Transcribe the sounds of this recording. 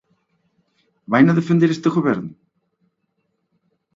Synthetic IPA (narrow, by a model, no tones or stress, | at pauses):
vaːjnaðɪfʏnt̪ɪɾɪst̪ɛxʏvɛɾt̪n